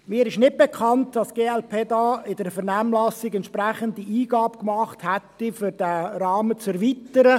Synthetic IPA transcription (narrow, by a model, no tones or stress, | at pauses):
mɪːɾɪʃnɪd̚bɛkʰχɑntd̥ɑsɡ̥eːɛlpʰeːdɑːɪdəɾfɛɾnæːmlɑsɪɡɛnt̪t͡ʃʃpɾæχəndiiːɡ̥ɑːbkmɑχthætːifʏɾd̥æɾɑːmət͡sɛɾʋit̪əɾə